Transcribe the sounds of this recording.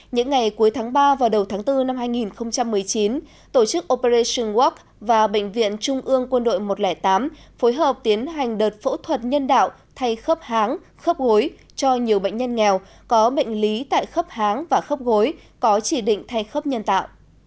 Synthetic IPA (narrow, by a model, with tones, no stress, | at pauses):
ɲɨ̰˧˥ŋːa˨˩jku˨˦əjt̪ʰaː˨˦ŋɓaː˧vaː˨˩wɗə˨˩wt̪ʰaː˨˦ŋt̪ɨ˧na˧mhaː˧jŋi˨˩nxə˧wŋ͡mt͡ɕa˧mːɨ˨˩əjt͡ɕi˨˦n | t̪o˧˩t͡ɕɨ˦˥k̚ʔo˧pe˧ze˧sə˧nwɔ˦˥k̚ | vaː˨˩ɓə̰˧˨ŋ̟vḭ˧˨ənt͡ɕʊ˧ŋ͡mʔɨ˧əŋkwə˧nɗo̰˧˨jmo˨˩t̚lɛː˧˩t̪aː˨˦mfo˨˦jɦəː˨˩p̚t̪i˨˦ənɦa˨˩jŋ̟ɗəː˨˩t̚fo̰˧˥t̪ʰwə˨˩t̚ɲə˧nɗa̰ː˧˨w | t̪ʰa˧jxə˦˥p̚haː˨˦ŋ | xə˦˥p̚ɣo˨˦j | t͡ɕɔ˧ɲi˨˩əwɓə̰˧˨ŋ̟ɲə˧nŋɛ˨˩w | kɔ˨˦ɓə̰˧˨jŋ̟li˨˦t̪a̰ː˧˨jxə˦˥p̚haː˨˦ŋvaː˨˩xə˦˥p̚ɣo˨˦j | kɔ˨˦t͡ɕi˧˩ɗḭ˧˨ŋ̟t̪ʰa˧jxə˦˥p̚ɲə˧nt̪a̰ː˧˨wʔ